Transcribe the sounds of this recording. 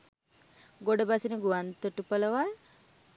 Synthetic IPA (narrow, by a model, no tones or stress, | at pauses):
ɡoɖəbasinəɡuʋant̪əʈupələʋa